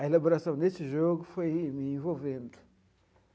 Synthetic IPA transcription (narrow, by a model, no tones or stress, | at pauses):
ɐelaboɾasɐ̃w̃nesɪʒoɡʊfojmɪẽvowvẽnd̪ʊ